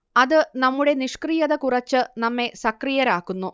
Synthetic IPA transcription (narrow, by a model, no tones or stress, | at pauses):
ɐðɨnɐmːuɽe̞niʂkrijɐðɐkurɐt͡ɕːɨnɐmːe̞sɐkrijɐɾaːkːunːu